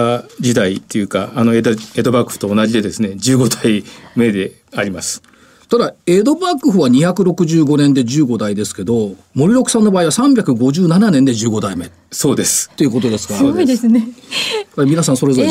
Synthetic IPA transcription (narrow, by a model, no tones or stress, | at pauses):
d͡ʑid̪ait̪ːejɯ̟ːkaːnoeed̪o̞bakɯ̟̥ɸɯ̥t̪o̞ːnaʑid̪e̞d̪e̞sɨne̞d͡ʑɨːɡo̞d̪aime̞d̪e̞ | aɾʲimasɨ̥ | t̪ad̪ae̞ːd̪o̞bakɯ̟ɸɯ̟β̞aɲ̟içakɯ̟ɾo̞kɯ̟ʑɨːɡo̞nẽnd̪e̞ʑɨːɡo̞d̪aid̪e̞sɨ̥ke̞d̪o̞ | mo̞ɾʲiɾo̞kɯ̟̥sãnːo̞baːiβasãmbʲjakɯ̟ɡo̞ʑɨːnananẽ̞nd̪e̞d͡ʑɨːɡo̞d̪aime̞ | so̞ːd̪e̞sɨ̥t̪ːe̞iɯ̟ko̞t̪o̞d̪e̞sɨ̥ɡaid̪esɨnepaimʲinasãso̞ɾe̞zo̞ɾe